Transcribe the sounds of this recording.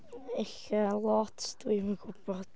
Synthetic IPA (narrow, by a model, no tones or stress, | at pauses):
eɬəlˠɔtʰd̥wiməɡʊb̥ɔd̥